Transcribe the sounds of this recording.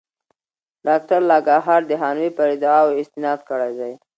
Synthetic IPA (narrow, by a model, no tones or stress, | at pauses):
ɖɑk̚ʈaɾlɑɡɑɦɑɾd̪əɦɑnwipəɾɪd̪ɑwɪst̪ɪnɑd̪̚kəɽajd̪aj